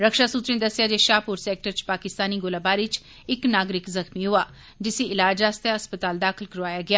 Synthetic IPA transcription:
ɾəkʃaːsuːt̪ɾẽːd̪əsɪjaːd͡ʒeːʃaːpʊɾsɛːk̚ʈəɾt͡ʃpaːkɪst̪aːniːɡolaːbaːɾit͡ʃ | ɪknaːɡɾɪkzəxmiːɦʊaː | d͡ʒɪseʔɪlaːd͡ʒaːst̪jaɦəspət̪aːld̪aːkʰɪlkəɾʋaːjaːɡɪaː

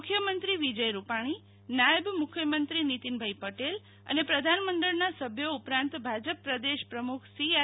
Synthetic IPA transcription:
kʰjəmənt̪ɾiʋid͡ʒəjɾupaɽ̃i | najəbmʊkʰjəmənt̪ɾinit̪inbʱajpəʈel | ə̰nepɾəd̪ʱanməɳɖəɽnasəbʱjoupɾãnt̪bʱad͡ʒəpːɾəd̪eʃpɾəmukʰsia

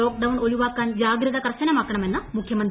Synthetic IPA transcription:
oːk̚ɖɐwnoɭuʋaːkːɐnd͡ʒaːɡɾit̪ɐkɐɾɐsɐnemakɳɐmɛnːɐmukʰjɐmɐnt̪

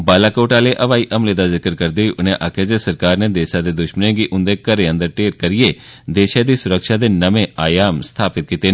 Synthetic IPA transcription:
baːlaːkoːʈaːleːʔəʋaːiːʔəmleːd̪aːzɪkəɾkəɾd̪eːɦiːʔʊnẽːʔaːkeːd͡ʒ̪eːsəɾkaːɾneːd̪eːʃaːd̪eːd̪ʊʃmənẽːɡiʔʊnd̪eːkəɾeːə̃nd̪əɾʈeːɾkəɾɪjeːd̪eːʃaːd̪iːsʊɾəkʃaːd̪eːnəmẽːaːjaːmst̪ʰaːpɪt̪̚kiːt̪eː

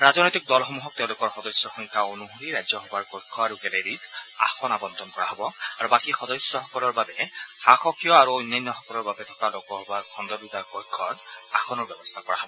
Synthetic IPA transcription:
ɹaznɔjtik̚dɔlxɔmuɦɔk̚teʊ̃lʊkɔɹxɔdɔsjɔxuŋkaonuɦuɹiɹajzɔxɔbaɹkɔjkʰːɔaɹukɛleɹita̰xɔnabɔnt̪ʰɔnkɔɹaɦɔbɔaɹubakixɔdɔsːɔxɔkɔlɔɹbabɛxaxɔkijɔaɹuojnːɔjnːɔxɔkɔlɔɹbabɛtʰɔ̥kalokɔhɔbaɹkʰɔndɔdutaɹkɔjkʰːɔɹa̰xʰɔnɔɹbjɛbɔst̪ʰakɔɹa̰ɦɔbɔ

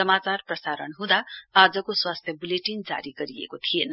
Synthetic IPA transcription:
sʌmat͡sarprʌsaɾʌnɦũd̪aad͡zʌkoswast̪ʰjʌbuleʈind͡za̰ɾiɡʌɾiḛkot̪ʰienʌ

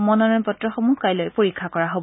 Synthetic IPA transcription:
mɔnɔɹɔnpɔtɹɔxɔmuɦkajlojpoɹikʰːakɔɹaɦob

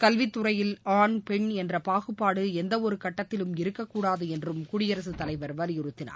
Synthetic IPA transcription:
kɐlʋɪt̪ːɯɾɐjɪlaːɳpɛɳɛndrɐpaːɣɯpːaːɽɯɛnd̪ɐɔɾɯkɐʈːɐt̪ːɪlɯmɪɾɯkːɐkːuːɽaːðɯɛndrɯmkʊɽɪjɐɾɐsɯt̪ːɐlɐɪʋɐɾʋɐljɪɾɯt̪ːɪna̰ː

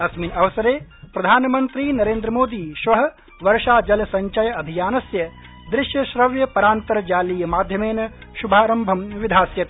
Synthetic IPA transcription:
ɐsmiːnɐʋɐsɐɾeːpɾɐd̪ʱaːnɐmɐnt̪ɾiːnɐɾeːnd̪ɾɐmoːd̪iːʃʋɐɦɐ̆ | ʋɐɾʂaːd͡ʒɐlɐsɐɲt͡ʃɐjɐɐbʱijaːnɐsjɐ | d̪ɾɪʃjɐʃɾɐʋjɐpɐɾaːnt̪ɐɾɐd͡ʒaːliːjɐmaːd̪ʱjɐmeːnɐ | ʃubʱaːɾɐmbʱɐmʋid̪ʱaːsjɐt̪e

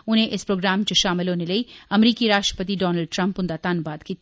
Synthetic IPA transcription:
ʊnɦẽʔɪspɾoːɡɾaːmt͡ʃoʃaːmɪlɦoːneləiɐmɾiːkiɾaːʃʈɾə̥pət̪̬iɖɔːnəlɖ̚ʈɾɐ̃mpʊ̃nd̪at̪anbaːd̪kiːt̪

